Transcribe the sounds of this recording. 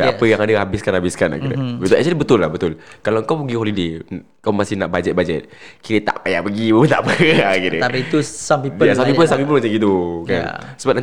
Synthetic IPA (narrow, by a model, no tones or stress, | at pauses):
a̰pəjaŋadəɦabɪskanhabɪskana̰kid̪əbət̪ɛk̚t͡ʃalibət̪ʊlːabət̪ʊlkalawəŋkawpəɡihɔlide | kawmasɪhnaʔbad͡ʒɛt̪̚bad͡ʒɛt̪̚kiɾət̪a̰ʔpajaʔpəɡiəbət̪aʔpəakit̪əpiit̪usampiəjasampipənsampip̬əlmat͡ʃamɡit̪̬uka̰nsəbap̚na